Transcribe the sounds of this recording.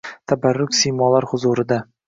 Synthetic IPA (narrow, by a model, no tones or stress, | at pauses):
t̪ʰabaɾːʊkʲsijmɒlaɾhʊzuɾɪd̪a